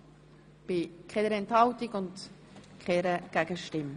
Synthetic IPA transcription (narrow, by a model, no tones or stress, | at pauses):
b̥ɪkʰɛdəɾɛnthɑltiɡʊnd | kʰɛɾəɡ̥æɡ̥əʃtɪm